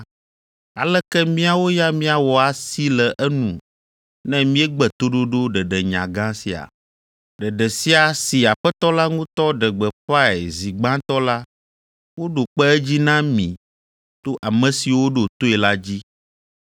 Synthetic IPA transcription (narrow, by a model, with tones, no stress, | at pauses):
a˨lɛ˦kɛ˦mĩ˦a˨wo˦ja˦mĩ˦a˨wɔ˨a˨si˦lɛ˨ʔɛ˦nũ˨ | nɛ̃˦mĩ˦ɛ˦ɡ͡bɛ˨t̪o˦ɖo˦ɖo˦ɖɛ˨ɖɛ˨ɲã˨ɡã˦si˨a̰˨ | ɖɛ˨ɖɛ˨si˦a˨si˨a˨ɸɛ˦t̪ɔ˦la˦ŋũ˦t̪ɔ˦ɖɛ˨ɡ͡bɛ˨ɸa˦ɛ˨zi˨ɡ͡bã˦t̪ɔ˦la˦ | wo˦ɖo˨k͡pɛ˦ɛ˦d͡ʑi˦nã˦mḭ̃˨ | t̪o˦ʔa˨mɛ̃˨si˨wo˦ɖo˨t̪o˦ɛ˨la˦d͡ʑi˦